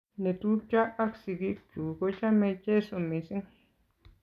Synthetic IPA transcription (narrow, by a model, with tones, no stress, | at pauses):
nẽ˧t̪u˦t͡ʃa˦a˦ksi˧ki˦t͡ʃu˨ko˧t͡ʃa˦mẽ˧t͡ʃe˦so˧mĩ˧si˦ŋ